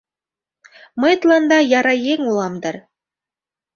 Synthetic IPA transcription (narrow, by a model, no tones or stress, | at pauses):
mɤjt̪lˠɑnd̪ɑjɑɾɑjeŋulˠɑmd̪ɤɾ